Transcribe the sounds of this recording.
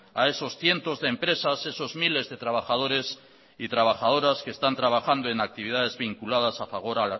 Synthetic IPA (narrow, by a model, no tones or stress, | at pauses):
ae̞so̞sθje̞nt̪o̞zðeempɾe̞sase̞so̞zmile̞zðet̪ɾaβ̞axað̞o̞ɾe̞s | it̪ɾaβ̞axað̞o̞ɾaskest̪ant̪ɾaβ̞axand̪oe̞nak̚t̪iβ̞ið̞að̞e̞zβiŋkulað̞asafaβ̞o̞ɾal